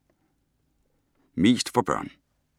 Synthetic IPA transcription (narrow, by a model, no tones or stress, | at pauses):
miːst̪fɔbœ̰ːn